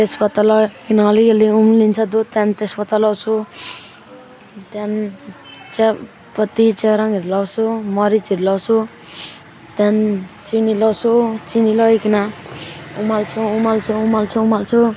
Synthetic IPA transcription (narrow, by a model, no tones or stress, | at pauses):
t̪espʌt̪alʌkinaːlikeliumlint͡sʰʌd̪ot̪ant̪espʌt̪alawt͡sʰu | t̪an | t͡sa | pʌt̪it͡seɾaŋiɾulʌwt͡sʰumʌɾit͡siɾulʌwt͡sʰu | t̪jant͡sinilʌwt͡sʰot͡sinilʌjkina | umalt͡sʰuːmalt͡sʰuːmalt͡sʰuumalt͡sʰu